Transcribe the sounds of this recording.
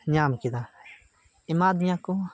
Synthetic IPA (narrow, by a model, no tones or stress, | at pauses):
ɲaːmkid̪a | imaːd̪jãku